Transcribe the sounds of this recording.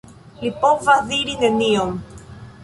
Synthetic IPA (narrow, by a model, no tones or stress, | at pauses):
lipovaðiɾinenioŋ